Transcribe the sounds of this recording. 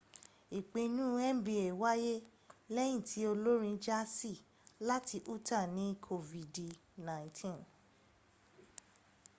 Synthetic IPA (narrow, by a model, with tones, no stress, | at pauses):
i˨k͡pe˨˧nũ˦ɛ˦m̩˦bi˧e˨wa˦je˦ | lɛ˦j̃ĩ˦˨tʰi˨˦o˧lo˦ɾĩ˧d͡ʒa˦si˦˨ | la˦tʰi˧ʔu˦ta˦˨nĩ˨˦kʰo˧vi˨di˨nã˨ĩ˨tʰĩ˦n